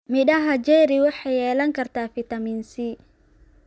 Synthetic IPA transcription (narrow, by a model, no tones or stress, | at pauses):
mɪɗɐɦɐd͡ʒɛɾiwɑħɑjɛːlɐŋkʰɐrt̪ʰaːfit̪ɐmiːnsi